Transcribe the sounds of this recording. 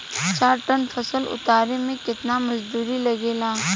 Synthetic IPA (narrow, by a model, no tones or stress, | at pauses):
t͡ʃaːɾʈənfʰɐsəlʊ̰t̪aːɾemẽkɪt̪namɐzd̪uːɾilɐɡeːlaː